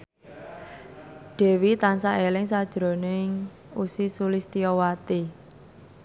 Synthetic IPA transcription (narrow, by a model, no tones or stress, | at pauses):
ɖ̪̥ɛ̤wit̪ansaʔelɪŋsad̥ʒ̥ɾo̤nɪŋ | usisulist̪iɔwat̪i